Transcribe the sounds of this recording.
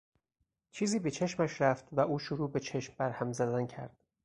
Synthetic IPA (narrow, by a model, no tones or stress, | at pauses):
t͡ʃʰiːziːbet͡ʃʰe̞ʃmæʃɾæft̪væʔuːʃoɾuːbe̞t͡ʃʰeʃmbæɾhæmzæzæncʰæ̰ɾd̪̥